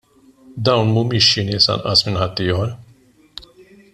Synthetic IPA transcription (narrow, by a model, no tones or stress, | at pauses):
d̪awnmumiʃinisa̰na̰sminhat̪ːijɔɾ